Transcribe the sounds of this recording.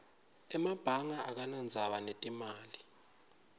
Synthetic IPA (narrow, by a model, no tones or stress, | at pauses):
ɛmab̥ʱaŋaʔak̬anand͡zʱaɓanetʼimaːli